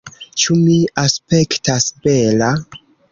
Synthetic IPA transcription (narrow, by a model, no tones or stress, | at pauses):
t͡ʃumiaspe̞ktasbela